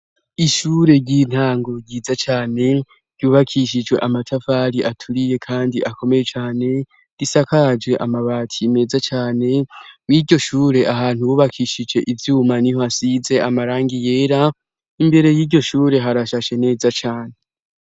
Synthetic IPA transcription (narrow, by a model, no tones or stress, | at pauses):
iʃuːɾe̞ɟin̥haːŋɡo̞ɾɟiːzat͡ʃaːne̞ | ɾ̥ɟjuːβakʰiʃid͡ʒwe̞̰ʔamatʰafaɾiʔatʰuɾije̞kʰaːndiʔako̞me̞je̞t͡ʃaːne̞ | ɾisakad͡ʒɡe̞ʔamaβaːtʰiːme̞ːzat͡ʃaːne̞wiːɾɟo̞ʃuːɾe̞ʔaɦaːnhuuːβakʰiʃid͡ʒe̞ʔivjuːmaniho̞asize̞amaɾaːŋɡije̞ːɾa | imbe̞ɾe̞jiːɟo̞ʃuːɾe̞ɦaɾaʃaʃe̞ne̞ːzat͡ʃaːne